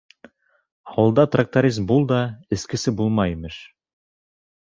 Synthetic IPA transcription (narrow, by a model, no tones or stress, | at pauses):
ɑwɤ̆lˠd̪ɑt̪rak̚t̪oɾʲizmbulˠd̪ɑɘ̆skɘ̆sɘbulˠmɑjimɘʃ